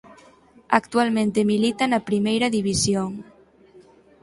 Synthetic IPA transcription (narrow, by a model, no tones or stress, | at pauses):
akt̪ualmẽnt̪emilit̪anapɾimejɾaðiβisjoŋ